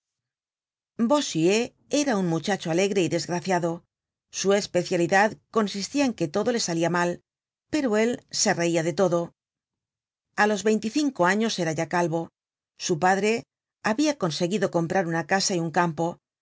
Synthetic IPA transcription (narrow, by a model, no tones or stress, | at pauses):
bo̞sie | eɾauŋmut͡ʃat͡ʃo̞ale̞ɣɾe̞iðe̞zɣɾaθjaðo̞ | sue̞spe̞θjaliðaðko̞nsist̪iaeŋke̞t̪o̞ðo̞le̞saliamal | pe̞ɾoe̞lse̞re̞iaðe̞t̪o̞ðo̞ | alo̞zβe̞jnt̪iθiŋko̞aɲo̞se̞ɾaʝakalβo̞ | supaðɾe̞ | aβiako̞nse̞ɣiðo̞ko̞mpɾaɾunakasaiuŋkampo̞